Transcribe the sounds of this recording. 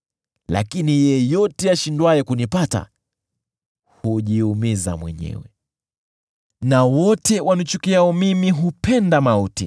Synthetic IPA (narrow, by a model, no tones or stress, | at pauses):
la̰kinijɛjɔtɛaʃindwajɛkunipata̰ | huʄiumiza̰mwɛ̰ɲɛ̰wɛ | nawɔtɛwʔanut͡ʃukiaɔmimiɦupʰɛndamautḭ